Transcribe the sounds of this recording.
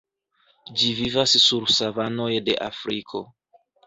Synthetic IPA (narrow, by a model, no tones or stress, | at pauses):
d͡ʒivivasːuɾsavano̞jde̞̰ʔafɾikʰo̞